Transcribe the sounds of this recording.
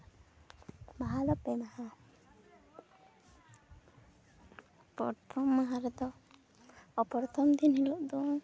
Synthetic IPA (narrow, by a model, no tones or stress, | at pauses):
maɦad̪ɔpɛnaha | pɔ̰t̪ʰɔmːaɦaɾɛd̪ɔ | ɔpɔɾɔt̪ʰɔmd̪inɦiluʔd̪u